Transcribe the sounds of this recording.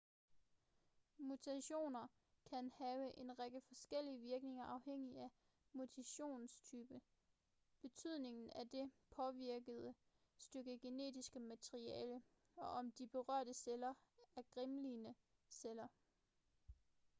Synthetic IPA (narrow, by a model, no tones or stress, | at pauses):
mut͡sʰæɕo̝̰ːnɐ | kʰænhɛːʊəʔe̝nʁaɡ̥əfɒ̽sɡ̥el̰iəʋiɐɡ̥ne̝ŋɐʔɑ̈ʊheŋ̰iæ | mut͡sʰæɕo̝̰ːnst͡sʰyːb̥ə | b̥e̝t͡sʰyð̰ˠne̝ŋn̩æd̥e̝pʰɒ̽ʋiɐɡ̥əð̞ˠə | sd̥øɡ̥əɡ̥e̝ne̝̰ːd̥isɡ̥əmæt͡sʰeʁiɛːlə | ɒ̽ʔɒ̽md̥ib̥e̝ʁɶɐ̰d̥əselɐæɐɡ̥ʁimlinə | selɐ